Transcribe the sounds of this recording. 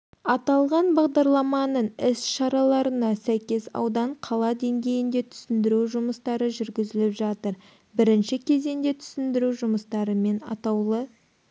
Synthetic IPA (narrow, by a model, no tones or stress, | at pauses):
ɑt̪ɑlˠʁɑnbɑʁd̪ɑɾlˠɑmɑnəɴɪsʃɑɾɑlˠɑɾənɑsæjkʲe̞sɑ̰wd̪ɑɴqʰɑlˠɑd̪e̞ŋɡʲe̞jɪnd̪e̞t̪ʰʏ̥sɪnd̪ɪɾuʒʊməst̪ɑɾəʒʏɾɡʲɪzɪlɪpʒɑt̪əɾ | bɪɾɪnʃɪkʲʰe̞ze̞nd̪e̞t̪ʰʏ̥sɪnd̪ɪɾuʒʊməst̪ɑɾəme̞nɑ̰t̪ɑwlˠə